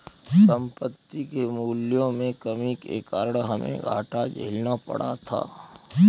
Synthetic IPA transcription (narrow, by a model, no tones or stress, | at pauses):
sə̃mpət̪ːikemuːljõmẽkɐmikḛːkaɾɽɦɐmʔḛ̃ɡʱa̰ːʈad͡ʒʱḛːlnapɐ̰ɽa̰t̪ʰa̰ː